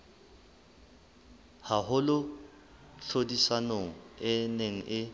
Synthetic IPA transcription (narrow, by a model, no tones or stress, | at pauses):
haɦʊlʊ | ɬʰodisanoŋ̩ɪneŋ̩ʔɪ